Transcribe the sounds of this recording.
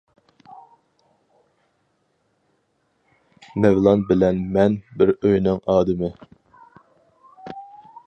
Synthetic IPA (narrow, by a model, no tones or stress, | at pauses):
mɛvlˠɑnbɪlɛnmɛnbɪɾøjnɪŋɑːd̪ɨmɪ